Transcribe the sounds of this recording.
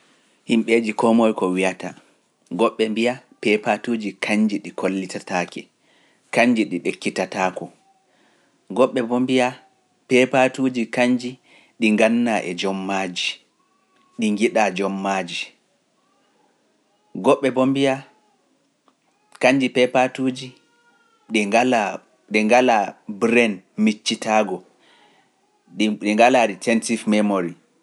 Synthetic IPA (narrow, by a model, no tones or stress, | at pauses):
himɓed͡ʒikɔmɔjkɔwijata | ɡɔɓːɛmbijapɛpatuːd͡ʒikʰaɲd͡ʒiɗikolːitataːkɛ | kaɲd͡ʒiɗiɗekːitataːkɔ | ɡɔɓːɛbɔmbija | pɛpatuːd͡ʒikaɲd͡ʒi | ɗiŋɡanːaʔɛd͡ʒɔmːad͡ʒi | ɗiŋɡiɗad͡ʒɔmːaːd͡ʒi | ɡɔɓːɛbombija | kaɲd͡ʒipɛpatud͡ʒi | ɗɛala | ɗɛŋɡalabɾɛnmit͡ʃːitaːɡɔ | ɗɛŋɡalaitʰɛntifmɛmoɾi